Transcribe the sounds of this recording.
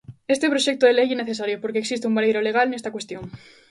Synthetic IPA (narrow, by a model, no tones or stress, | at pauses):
est̪epɾoʃek̚t̪oðelejeneθes̬aɾjopoɾkeːksist̪eumbalejɾoleɣ̞alnest̪akwest̪joŋ